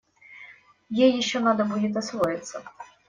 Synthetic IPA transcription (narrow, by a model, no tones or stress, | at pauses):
jejɪɕːɔnad̪ɐbudʲɪt̪ʲɐsvɔjɪt̪sːɐ